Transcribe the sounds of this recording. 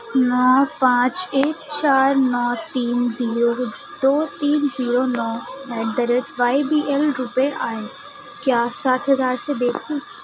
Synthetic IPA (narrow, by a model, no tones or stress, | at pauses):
nɔːpãːt͡ʃeːʈt͡ʃaːɾnɔːt̪iːnziːɾo | d̪oːt̪iːnziːɾonɔːmɛ̃ːd̪əɾət̪ʋaːibiːʔɛːlɾʊpeʔaːe | kjaːsaːt̪ʰɦɐzaːɾseb̪eːkʰu